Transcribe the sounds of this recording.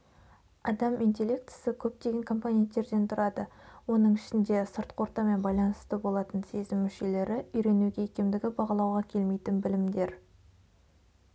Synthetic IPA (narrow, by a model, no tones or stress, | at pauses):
ɑd̪ɑmʔint̪̬ʲe̞lʲːekt̪ɪ̥sɪkʲʰɵp̚t̪e̞ɡʲe̞ŋkʰo̞mponʲe̞nt̪ːe̞ɾd̪e̞nt̪ʰʊɾɑd̪əwo̞nəɴɪʃɪnd̪e̞səɾt̪qʰo̞ɾt̪ɑme̞nbɑjlˠɑnəst̪əbo̞lˠɑt̪ənse̞zɪmːʏʃe̞le̞ɾɪʏjɾe̞nuɡʲeːkʲemd̪ɪɡʲɪbɑʁɑlˠɑwʁɑkʲʰe̞lme̞jt̪ɪnbɪlɪmd̪e̞ɾ